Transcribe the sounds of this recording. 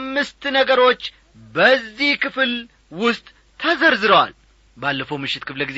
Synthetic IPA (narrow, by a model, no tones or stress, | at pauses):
mːɨst̪nəɡəɾo̞t͡ʃː | bəzːihkʰɨfl | wʊst̪ʼ | t̪ʰəzəɾzɨɾəwa̰l | balːəfowmɨʃːɪt̪kʰɨfləɡiz